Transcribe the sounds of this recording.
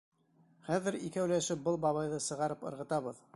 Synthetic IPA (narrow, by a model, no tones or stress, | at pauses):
χæðɘɾikæwlæʃɘp̚bɤlˠbɑβɑjðɤsɤ̆ʁɑɾɤpɤ̰̆ɾʁɤ̆t̪ɑβɤð